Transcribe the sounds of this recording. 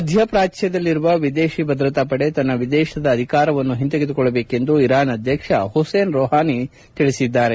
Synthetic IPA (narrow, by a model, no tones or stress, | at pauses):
ɐd̪ʱjɐpɾaːt͡ʃjɐd̪ɐlːiɾuʋɐʋid̪eːʃibɐd̪ɾɐt̪ɐpɐɽe̞t̪ɐnːɐʋid̪ɛːʃɐd̪ɐːd̪ʱikaːɾɐʋɐnːuɦint̪ɐɡed̪ukɔɭːɐbeːke̞nd̪uiɾaːnɐd̪ʱjɐkʂɐhuseːnɾoːɦaːni | t̪iɭisid̪ːaːɾe